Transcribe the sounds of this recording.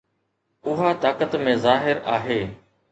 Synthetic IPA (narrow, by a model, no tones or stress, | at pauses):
ʊɦat̪aːkət̪mẽzaːɦɪɾaːɦeː